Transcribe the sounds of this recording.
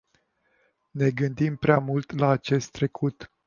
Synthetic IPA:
ne̞ɡɨnd̪impɾeamult̪laːt͡ʃe̞st̪ːɾe̞kʰut̪

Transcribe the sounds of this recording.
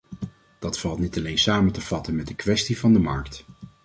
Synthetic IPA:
d̥ɑtfɑlˠtnitɑlejnsaːməntəv̥ɑtənmɛt̚dəkʋɛstivɑndəmɑɹkt

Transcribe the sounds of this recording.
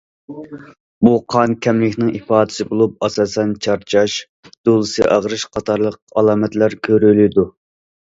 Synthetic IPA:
buqʰɑnkʲʰɛmlɪkʲnɪŋipɑːd̪ɪ̥sɪbolˠup̚ɑsɑːsɛnt͡ʃʰɑɾt͡ʃʰɑʃ | d̪̥olˠɨsɨʔɑʁɾɨʃqʰɑt̪ʰɑɾlˠəq̚ɑlˠɑːmɛt̪læɾkʲʰøɾylɪd̪u

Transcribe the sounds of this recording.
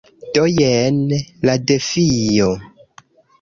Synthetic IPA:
tojɛnladefijo

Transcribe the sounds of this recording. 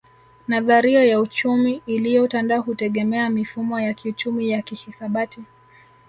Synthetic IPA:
naðaɾiɔjaut͡ʃumiːlijɔutandaɔɦutɛɠɛmɛamifumɔjakʰiut͡ʃumijakihisaɓati

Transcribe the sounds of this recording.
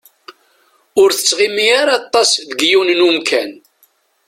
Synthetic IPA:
ʊɾθə̥t͡sːʁimiaɾɑt̪ˤːɑsðəɡjunnumkʰæn

